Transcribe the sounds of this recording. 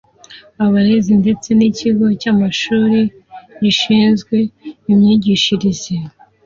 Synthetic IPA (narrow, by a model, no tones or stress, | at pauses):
aβaɾezinde̞t͡se̞niciɡo̞camaʃuːɾi | ɟiʃiːnzɡwe̞imɲiːɟiʃiɾizi